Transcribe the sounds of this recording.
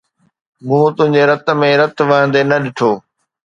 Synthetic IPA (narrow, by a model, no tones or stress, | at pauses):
mũːt̪ʊ̃ɦɪ̃ɲd͡ʑeɾɐt̪̆mẽɾɐt̪ʋɐɦə̃nd̪enɐɗɪʈʰoː